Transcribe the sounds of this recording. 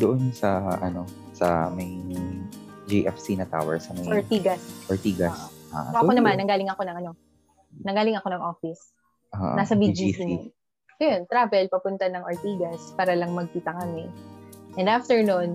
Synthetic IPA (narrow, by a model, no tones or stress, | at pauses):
d̪oʔonsɐʔɐ̰no̞ | sɐ̰mɐj | d͡ʒiʔɛfsinɐt̪a̰ːwɛ̰ɾsɐmɐjoɹt̪iːɡɐsʔoɹt̪iːɡɐsʔa̰ːʔʔɐonɐmanːɐŋɡaːlɪŋɐko̞nɐŋʔɐno̞ | nɐŋɡaːlɪŋɐko̞nɐŋʔo̞ːfɪs | ʔaʔnasɐbid͡ʒisi | jont̪ɾaːvɛlpɐpʊnt̪ɐnɐŋʔoɹt̪iːɡɐspaːɾɐlɐŋmɐɡ̚kiːt̪ɐkɐmɪʔɛnd̪ʔaft̪ɛɹnʊn